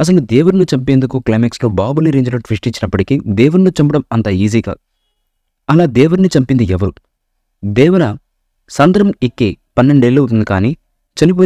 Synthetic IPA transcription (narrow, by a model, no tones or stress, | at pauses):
ɐs̬ɐlud̪eːʋuɾnit͡ʃɐmpeːnd̪ukuklɐjmekskoːbaːbuliɾeːɲd͡ʒɐnɐʈʋisʈit͡ʃːinɐpːɐʈikid̪eːʋuɾnut͡ʃɐmpɐɽɐmɐnt̪ɐiːziːɡa̰ː | ɐlaːd̪eːʋuɾnit͡ʃɐmpind̪iɛʋɐɾu | d̪eːʋunɐ | sɐnd̪ɾɐmikːepɐnːe̞ɳɖelːɐut̪und̪ikaːniː | t͡ʃɐnip̬oː